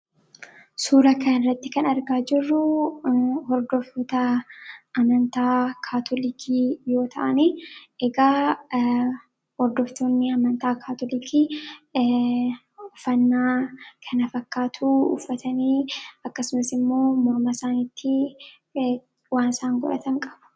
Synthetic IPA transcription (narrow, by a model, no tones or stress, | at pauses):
suːɾɐkʰɐnɪrːɐt̪ːɪkɐnɐɾɡaːd͡ʒɪrːʊ | hɔɾd̪ɔfɔt̪ɐʔɐmɐnt̪aːkʰaːt̪ʰɔlikʰiːjo̞ːt̪ʰɐ̰ʔɐniʔɛɡaː | hɔɾd̪ɔft̪onːɪɐmɐnt̪aːkʰaːt̪ɔlikʰi | ʊfɐnːaːkʰɐnɐfɐkːaːt̪ʰuʊ̰fːɐt̪ɐniːɐkːɐsʊmɐsɪmːo̞ːmɔɾmɐsaːnit̪ʰːɪ | waːnsaːŋɡɔ̰ɾɐ̰t̪ɐŋkʼɐ̥bʊ̥